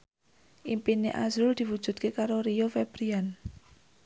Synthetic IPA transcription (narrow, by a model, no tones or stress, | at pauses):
ʔimpineʔa̰zɾʊld̪̥i̤wud̥ʒ̥ṳd̪̚kekaɾoɾijofeb̥ɾian